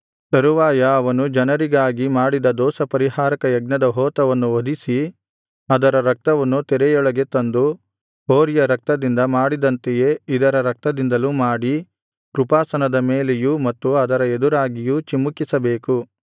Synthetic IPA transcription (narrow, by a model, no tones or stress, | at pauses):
sɐɾuʋaːjɐːʋɐnud͡ʒɐnɐɾiɡaːɡimaːɽid̪ɐd̪ɔːsɐpɐɾiɦaːɾɐkɐjɐɡnɐd̪ɐɦɔːt̪ɐʋɐnːuod̪ʱisi | ɐd̪ɐɾɐɾɐk̚t̪ɐʋɐnːut̪ɛɾɛjɔɭɐɡe̞t̪ɐnd̪u | ɦoːɾijɐɾɐk̚t̪ɐd̪ind̪ɐmaːɽid̪ɐnt̪eje̞id̪ɐɾɐɾɐk̚t̪ɐd̪ind̪ɐlumaːɽi | pɾupaːsɐnɐd̪ɐmeːlejumɐt̪ːuɐd̪ɐɾɐed̪uɾaːɡijut͡ʃimːukːisɐbeːku